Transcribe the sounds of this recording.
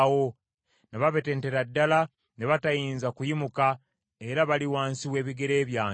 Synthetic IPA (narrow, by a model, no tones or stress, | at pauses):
wo̞ | neβaβe̞te̞ːnte̞ɾadːala | neβatajiːnzakujimuka | e̞ɾaβaliwaːnsiwe̞ːβiɡe̞ɾe̞ːβjaː